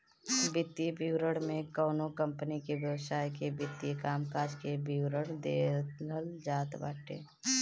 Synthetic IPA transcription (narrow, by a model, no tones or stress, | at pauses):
bɪt̪ijebʱiwɾəɽmẽkɔːnokə̃mpənikeʋjəwsaːjkebɪt̪ːijekaːmkaːd͡ʒkebʱiwɾəɽd̪eːləld͡ʒaːt̪ba̰ːʈḛː